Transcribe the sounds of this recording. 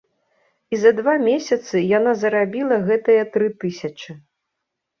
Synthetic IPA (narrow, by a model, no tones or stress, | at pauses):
izɐd̪vamʲesʲɐt̪sɨjanazɐɾabʲilˠɐɣɛt̪ɨjɐt̪ɾɨt̪ɨsʲɐt͡ʂɨ